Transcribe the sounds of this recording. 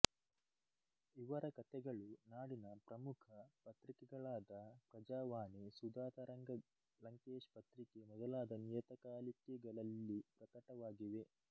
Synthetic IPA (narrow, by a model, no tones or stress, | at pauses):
iʋɐɾɐkɐt̪ɛɡɐɭunaːɽinɐpɾɐmukʰɐpɐt̪ɾikɛɡɐɭaːd̪ɐpɾɐd͡ʒaːʋaːnisud̪aːt̪ɐɾɐŋɡɐ | lɐŋkeːʂpɐt̪ɾikemɔd̪ɐlaːd̪ɐnijɐt̪ɐkaːlikɛɡɐɭɐlːipɾɐkɐʈɐʋaːɡiʋe̞